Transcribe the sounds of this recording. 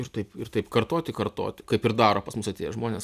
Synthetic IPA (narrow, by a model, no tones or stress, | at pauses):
ɪɾt̪ɐɪpɪrt̪ɐɪpkɐrt̪oːt̪ʲɪkɐrt̪o̰ːt̪ʲɪkɐɪpɪɾd̪ɑːɾoːpɐsmʊsɐt̪ʲeːjɛʒmoːnʲeːs